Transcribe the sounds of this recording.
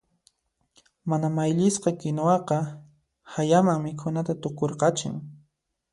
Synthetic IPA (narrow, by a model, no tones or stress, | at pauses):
manamajʎɪsqɑkɪnowɑqɑ | hajamaŋmɪkʰʊnat̪at̪ʊkoɾqɑt͡ʃɪ̰ŋ